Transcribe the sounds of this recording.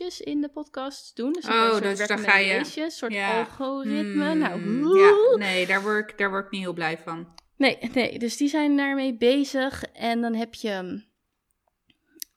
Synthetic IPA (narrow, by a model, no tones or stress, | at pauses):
əsɪndəpɔtkɑstdunsoɛajesjəsʊːɹtɑlˠχorɪtmənawunejdaːɹʋɔɹkdaːɹʋɔɹɪk̚niɦɪlˠblɛjfɑn | nejnḛjdɵsdizɛjndaːɹmejbejzəχɛndɑnɦɛpjə